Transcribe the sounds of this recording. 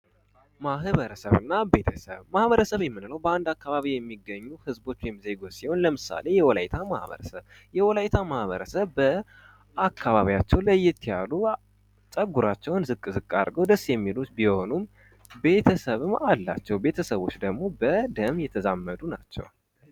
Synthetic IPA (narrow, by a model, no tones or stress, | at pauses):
maɦβəɾəsəβɨnːabe̞t̪ʰəsə̰βmahβəɾəsəβjɛmːɨnləwbəand̪akːaβaβijɛmːiɡːəɲːuhɨzbo̞t͡ʃːjɛmize̞ɡo̞t̪siho̞nləmɨsa̰le̞jɛwɔlajt̪ʰama̰hβə̰ɾə̰səβ | jɛwɔlajt̪ʰamahβəɾəsəβːə | akʰːaβaβiat͡ʃːɛwlajːɛt̪ʰːijalu | t͡ʃʼəɡuɾat͡ʃːɛwnzɨkʼːɨzɨkʼːa̰ɾɡəwd̪əsːjɛmːilut̪biho̞num | be̞t̪ʰəsəβɨmalːa̰t͡ʃːɛwbe̞t̪ʰəsəβo̞t͡ʃːd̪əɡmo̞bəd̪əmjɛt̪ʰəzamːəd̪una̰t͡ʃːɛ̰w